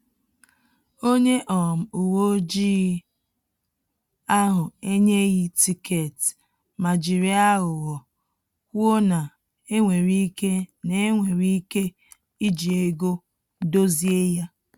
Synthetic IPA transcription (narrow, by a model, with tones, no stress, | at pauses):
o˦ɲe˦ʔɔ˨m̩˨u˨wo˦d͡ʒiː˦ | a˦ɦʊ˨e˦ɲe˦ɣi˦ti˨ke˨t | ma˨d͡ʒi˨ɾi˦a˦ɣʊ˨ɣɔ˨ | kʷo˦na˨ | e˦ŋʷe˨ɾi˦ke˦ne˨˦ŋʷe˨ɾi˦i˦ke˦ | i˦d͡ʒi˨e˦ɡo˦ | do˦zi˦e˦ja˦